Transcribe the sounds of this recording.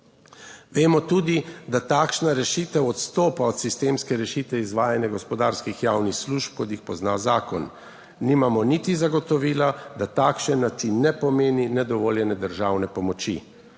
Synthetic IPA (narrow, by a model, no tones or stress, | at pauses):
ʋeːmɔt̪uːd̪id̪at̪aːkʃnaɾɛʃit̪ɛwɔt̪st̪oːpaɔt̪sist̪eːmskɛɾɛʃit̪ʋɛizʋaːjanjaɡɔspɔd̪aːɾskixjaːwnixsluʃp̚kɔt̪jixpɔznaːzaːkɔn | nimamɔnit̪izaɡɔt̪ɔʋiːlad̪at̪aːkʃɛnːat͡ʃinɛpɔmeːninɛd̪ɔʋoːljɛnɛd̪əɾʒaːwnɛpɔmɔt͡ʃḭ